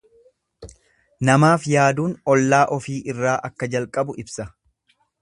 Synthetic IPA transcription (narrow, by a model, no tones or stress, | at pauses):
nɐmaːfjaːd̪uːnɔlːaːʔɔfiːʔɪrːaːʔɐkːɐd͡ʒɐlkʼɐbʊɪbsɐ